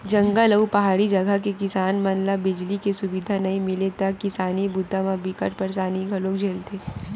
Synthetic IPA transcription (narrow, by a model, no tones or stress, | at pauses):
d͡ʒɐ̃ŋɡaləupɐɦaːɽid͡ʒɐɡʱəɦkekɪsaːnmɐnlabɪd͡ʒlikesʊbid̪ʱanɐɦĩmɪlet̪ɐkːɪsaːnibʊd̪ʱːamãbɪkə̰ʈpɐɾsaːniɡʱɐlõkd͡ʒʱeːlt̪ʰeː